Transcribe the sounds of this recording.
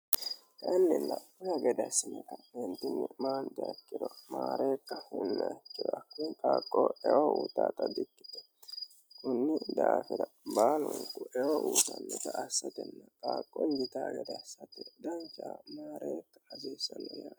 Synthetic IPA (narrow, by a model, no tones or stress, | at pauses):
k̪ʼɐnːɪnːɐkʊjɐɡɛd̪ɐsɪnɛk̪ɐɛnt̪ɪnːɪmaːnd̪ɪɐkːɪd̪ɔmaːɾeːkːɐhɛnːɐkːɪdɔɐkːuŋkʼaːkʼːoːɛwouːt̪aːt̪ɐd̪ɪkʼːɪ̥t̪ɛ̥ | kʊnːɪd̪aːfɪɾɐbaːlʊŋkʼʊʔɛwoʔuːt̪ɐnːɛt̪ɐɐsːɐt̪ɛnːɐkʼaːkʼːɔnd͡ʒɪt̪aːɡɛd̪ɐsːɐt̪ɛd̪ɐnt͡ʃaːmaːɾeːkːɐ̥hɐsiːsːɐnːɔjaː